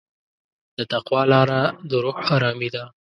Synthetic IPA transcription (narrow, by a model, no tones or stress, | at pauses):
d̪̥ət̪aqwɑlɑɾad̪əɾoxɑɾɑmid̪a